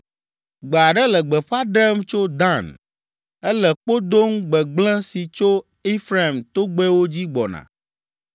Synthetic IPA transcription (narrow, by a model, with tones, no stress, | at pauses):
ɡ͡be˨a˨ɖɛ˦lɛ˨ɡ͡bɛ˨ɸa˦ɖɛ˦mt͡ʃo˦d̪ã˦˨n | ɛ˦lɛ˨k͡po˦d̪o˦ŋ̩˦ɡ͡bɛ˨ɡ͡blɛ̃˦si˨t͡ʃo˦ | i˦fɾa˦˨mt̪o˦ɡ͡bɛ˦wo˦d͡ʑi˦ɡ͡bɔ˨nã̰˨